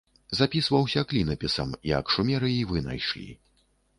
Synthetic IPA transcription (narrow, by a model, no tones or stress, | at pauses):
zapʲisvɐwsʲɐklʲinɐpʲisɐ̰miɐ̰kʂumʲɛɾɨivɨna̰jʂlʲḭ